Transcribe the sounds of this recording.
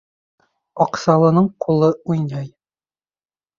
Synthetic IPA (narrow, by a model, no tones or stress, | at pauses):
ɒqsɑlˠɤ̆nɤɴqʰulˠɤujnɑj